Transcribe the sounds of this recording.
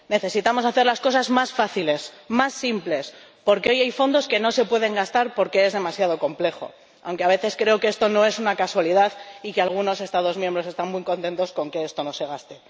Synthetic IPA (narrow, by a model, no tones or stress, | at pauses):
ne̞θe̞sit̪amo̞saθe̞ɾlasko̞sazmasfaθile̞smasːimple̞s | po̞ɾke̞o̞jajfo̞nd̪o̞ske̞no̞se̞pwe̞ð̞e̞ŋɡast̪aɾpo̞ɾke̞ezðe̞masjað̞o̞ko̞mple̞xo̞̰ | a̰wŋke̞aβ̞e̞θe̞skɾe̞okeest̪o̞no̞e̞sunakaswaliðaðikealɣ̞uno̞se̞st̪að̞o̞zmjembɾo̞se̞st̪anmujko̞nt̪e̞nt̪o̞sko̞ŋke̞est̪o̞no̞seɣ̞ast̪e̞